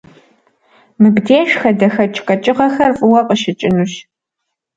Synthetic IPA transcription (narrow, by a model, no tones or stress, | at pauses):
mɨbdeːʃxɐdɐxɐt͡ʃʼkʼɐt͡ʃʼɪʁɐxɐrfʼɨwɐqəʃɪt͡ʃʼɪnuɕ